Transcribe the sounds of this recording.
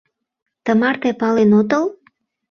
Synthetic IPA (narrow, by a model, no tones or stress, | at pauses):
t̪əmɑrt̪epɑlenot̪əl